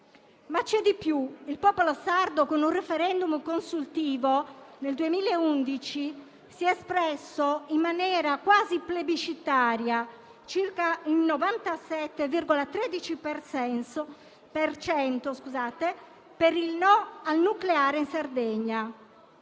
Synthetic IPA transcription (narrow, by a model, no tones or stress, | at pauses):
mat͡ʃːɛd̪ipjuilpɔːpolɔsard̪okonurɛfɛɾɛnd̪umkonsult̪iːvoneld̪uemiːlaeund̪it͡ʃi | siɛspɾɛsːoimːanjɛːɾakwaːziplebit͡ʃit̪aːɾja | t͡ʃirkaulnɔvant̪asɛt̪ːeviɾɡɔlat̪ɾeːd̪it͡ʃipɛrsɛnso | pert͡ʃɛnt̪oskuzaːt̪e | peɾilnɔalnukleaːɾeinsard̪ɛɲːa